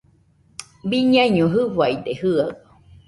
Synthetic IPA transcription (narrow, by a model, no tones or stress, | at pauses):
biɲãiɲũɦɯwaid̪ehɯa